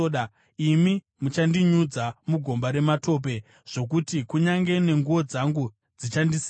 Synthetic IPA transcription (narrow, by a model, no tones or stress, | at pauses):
a | imi | mut͡ʃandiɲud͡zamuɡʱo̞mbaɾe̞mato̞ːp̬e̞ | ʐ̥o̞k̬utikuɲaŋɡe̞ne̞ŋɡuo̞d͡zaŋɡu | d͡zit͡ʃandis